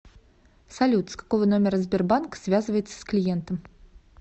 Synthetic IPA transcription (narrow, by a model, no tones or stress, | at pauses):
sɐlʲut̪skḁko̞vəno̞mʲɪɾəzʲbʲɪrbankə̥svʲazɨvəjɪt̪sə̥sklʲɪjent̪əm